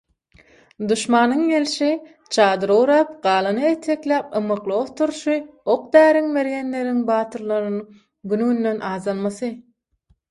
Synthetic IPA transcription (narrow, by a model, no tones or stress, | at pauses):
d̪uʃmɑːnɯŋjelʃi | t͡ʃʰɑːd̪ɯɾowɾɑːp̚ɢɑːlˠɯnɯet̪ʰːeklʲæːp̚ɯmɯqlˠoft̪ʰuɾʃɯoq̚d̪æːɾiŋme̞ɾjenle̞ɾiŋbɑːt̪ʰɯɾlˠɑɾɯnɯ | ɡynunːenʔɑːzɑlˠmɑθɯ